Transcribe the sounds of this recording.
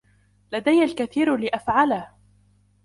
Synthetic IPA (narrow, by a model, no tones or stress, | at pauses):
lad̪ajːalkaθiːɾlɪʔafʕalah